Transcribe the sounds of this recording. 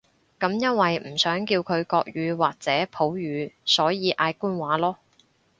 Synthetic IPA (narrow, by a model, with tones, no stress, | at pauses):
kɐ˨˧˥mjɐ˥nwɐ˨jm̩˨˩sœː˨˥ŋkiː˧wkʰɵ˨˧ɥkɔː˧k̚jyː˨˧waː˨k̚t͡sɛː˨˥pʰo˨˥wjyː˨˧sɔː˨˥jiː˨˧ʔaː˧jkuː˥nwaː˨˥lɔː˥